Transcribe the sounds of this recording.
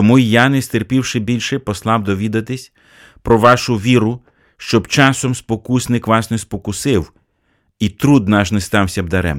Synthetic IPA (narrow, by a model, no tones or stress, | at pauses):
t̪ɔmuijɑnɛst̪erpʲiwʃɪbʲilʲʃɛpɔslˠɑbd̪ɔʋʲid̪ɐt̪ɪsʲ | pɾɔʋɑʃʊʋʲiɾʊ | ʃt͡ʃɔbt͡ʃɑsɔmspɔkusʲnɪkʋɑsnɛspɔkʊsɪw | it̪ɾud̪nɑʃnɛst̪ɑwsʲɐbd̪ɐɾɛ̰m